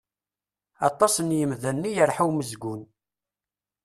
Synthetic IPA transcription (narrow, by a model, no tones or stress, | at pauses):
ɑ̰t̪ˤːɑsˤənjəmðænːijəɾħuwməzɡʷʊn